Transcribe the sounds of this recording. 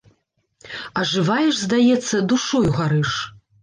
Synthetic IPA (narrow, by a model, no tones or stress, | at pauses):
ɐʐɨvajɛʂzd̪ajɛt̪sːɐd̪uʂɔjuɣaɾɨʂ